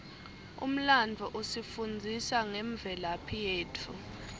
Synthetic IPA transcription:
ṵm̩land͡vʱɔʔosifund͡zʱisaŋɛɱb̪vʱɛlapʰijeːtʰu

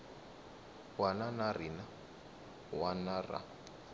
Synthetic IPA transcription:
wananarina | wanara̰

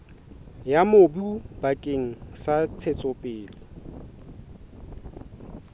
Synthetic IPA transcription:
jamobub̥akʼeŋ̩sat͡sʰet͡sʼɔpʼɪːlɪ

